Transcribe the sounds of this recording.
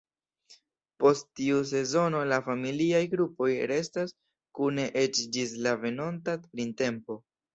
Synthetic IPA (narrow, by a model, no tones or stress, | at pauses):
po̞stːius̬e̞zo̞no̞lafamiliajɡɾupo̞jɾe̞stas | kune̞ʔe̞t͡ʃd͡ʒislave̞no̞ntaɾinte̞mpo̞